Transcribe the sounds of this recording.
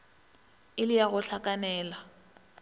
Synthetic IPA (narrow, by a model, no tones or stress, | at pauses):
ɪlɪjaɣʊɬʰakʼanɛːla